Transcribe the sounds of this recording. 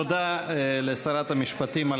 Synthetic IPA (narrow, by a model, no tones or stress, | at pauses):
od̪alesaɾat̪hamiʃpat̪imal